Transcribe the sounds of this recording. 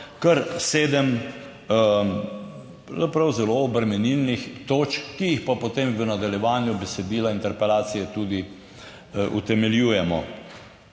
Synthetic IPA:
kəɾseːd̪əm | pzapɾɐwzɛloɔbɾɛmɛnilnixt̪oːt͡ʃkkːijixpapot̪eːmʋənad̪aljɛʋaːnjubɛsɛd̪iːlaint̪ɛɾpɛlaːt̪sijɛt̪uːd̪i | ʔṵt̪ɛmɛljuːjɛmɔ

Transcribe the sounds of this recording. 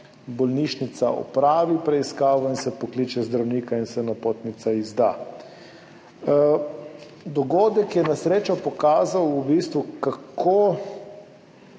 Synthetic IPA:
bɔlniːʃnit̪saʔɔ̰pɾaːʋipɾɛiskaːʋɔinsɛpɔkliːt͡ʃɛzd̪ɾawniːkainsɛnapoːt̪nit̪saizd̪a̰ː | d̪ɔɡoːd̪ɛkjɛnasɾeːt͡ʃɔpɔkaːzawubiːst̪ʋukakkʰoː

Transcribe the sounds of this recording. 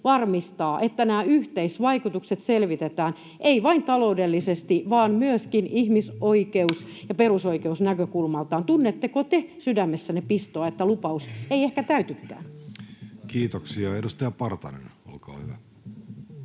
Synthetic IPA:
ʋɑrmist̪ɑːʔet̪ːænæːyht̪eisʋɑikut̪ukset̪selʋit̪et̪æːn | ʔeiʋɑint̪ɑloudelːisest̪iʋɑːnmyøskinihmisoikeusjɑperusoikeusnækøkulmɑlt̪ɑːnt̪unːet̪ːekot̪esydæmːesːænepist̪oːet̪ːælupɑuseiehkæt̪æyt̪ykːæ̰ːn | kiːt̪oksiɑedust̪ɑjɑpɑrt̪ɑ̰nḛno̰lkɑ̰ːhyʋæ

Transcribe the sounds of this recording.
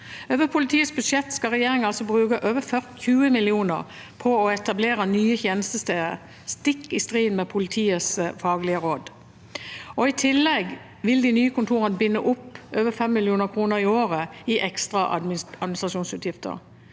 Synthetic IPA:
øːʋəpʰʊlɪt̪ʰiːəsbʉd̪ʂɛt̪ːskɑʁɛjeːʁɪŋɑlsɔbʁʉːkəʔøːʋəfœʁt̪çʰʉːəmɪlɪuːnə̰ʁ | pʰɔɔɛt̪ɑbleːʁənyːəçeːnəst̪əst̪eːd̪ə̰ɾ | st̪ɪkːɪst̪ʁiːd̪nmɛpʰʊlɪt̪ʰiːəsfɑːɡlɪəʁoːd̪ | ɔɪt̪ʰɪlːɛɡ | ʋɪld̪ɪnyːəkʊnt̪ʰuːʁənəbɪnːəʔʊpːøːʋəfɛmːɪlɪuːnəɾkʰʁuːnəʁɪoːʁəɪʔɛkst̪ʁɑʔ̪ɑd̪mɪnɪsʁɑʃuːnsʉːt̪jɪft̪ə̰ʁ

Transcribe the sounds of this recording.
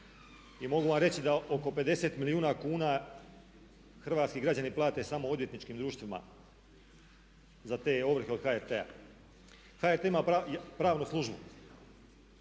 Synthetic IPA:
imo̞ɡuʋamɾe̞t͡ɕid̪aʔoko̞pe̞d̪e̞se̞t̪miliuːnakuːna | xrʋaːt̪skiɡɾad͡ʑaniplˠaːt̪e̞samo̞o̞d̪ʋjet̪nit͡ʃkiːmd̪ɾuːʃt̪ʋima̰ | zat̪e̞ːo̞ʋr̩xeo̞d̪xaeɾt̪ea̰ | xaːeɾt̪eimaːpajpɾaːʋnuslˠuʒbu

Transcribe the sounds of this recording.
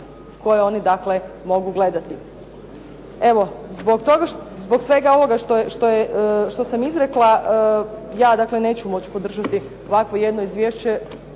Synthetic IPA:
ko̞jeo̞nid̪akle̞mo̞ɡuɡle̞d̪at̪i | e̞ʋo̞zboɡt̪o̞ɡazbo̞ksʋe̞ɡao̞ʋo̞ɡaʃt̪oʃt̪o̞jeʔʃt̪o̞samizɾeklˠa | jaːd̪aklene̞ːt͡ɕumo̞t͡ɕi̥po̞d̪r̩ʒat̪i | o̞ʋakʋoje̞d̪no̞izʋʲjeːʃt͡ɕe̞

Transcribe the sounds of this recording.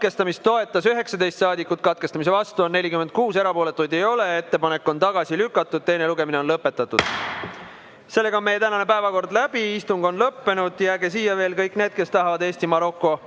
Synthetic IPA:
t̪ke̞st̪ɑmist̪t̪o̞e̞t̪ˑːɑsyɦe̞ksɑd̪e̞jst̪sɑːd̪ikːˑut̪̚kɑt̪̚kest̪ɑmis̬e̞vɑst̪uonːe̞lʲikyme̞nd̪̥̚kuːse̞ɾɑpo̞ːle̞t̪ːˑujd̪e̞jo̞le̞et̪ːe̞pɑne̞kːo̞nt̪ɑɡ̥ɑsilykːˑɑt̪ːˑud̪̚t̪e̞jne̞luɡe̞mineo̞nlɤpːe̞t̪ːˑɑt̪ːˑud̪̥ | se̞lːe̞ɡɑome̞jet̪ænɑne̞pæevɑko̞rd̪læb̥iist̪uŋɡ̥o̞nlɤpːe̞nud̪̥jæːɡesiːjɑve̞ːlkɤjkːne̞ːd̪̥̚ke̞st̪ɑɦɑvɑd̪e̞ːsʲt̪imɑɾo̞kːo̞

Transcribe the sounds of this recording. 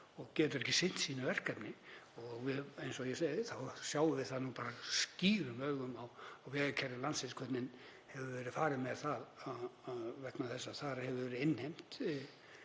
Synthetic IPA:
ɔɣcɛːt̪ʏɾɛhcɪsɪn̥t̪siːnʏvɛr̥kapnɪ | ɔɣvɪejnsɔɣjɛsejðɪθawsjaːwɪvɪðθaðnuːpaːɾasciːɾʏmœːɣʏmawawvɛːðɪcʰɛɾɪlansɪnskʰvɛt̪nɪn | hɛvʏvɛːɾɪðfaːɾɪmɛðθaðaaðvɛknaθɛsːaθaɾhɛvʏvɛːɾɪɪnːhejm̥t̪

